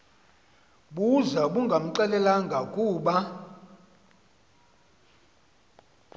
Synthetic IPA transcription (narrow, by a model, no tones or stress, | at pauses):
ɓuzaɓuŋɡʱam̩ǃɛlɛlaŋɡʱakʼuːɓa